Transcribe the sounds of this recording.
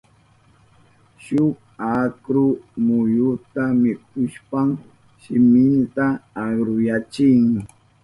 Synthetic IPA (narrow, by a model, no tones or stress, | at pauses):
ʃʊk | akɾʊmʊjʊt̪amɪk̚ʊʃpam | ʃɪmɪnt̪aːɢɾʊjat͡ʃɪŋ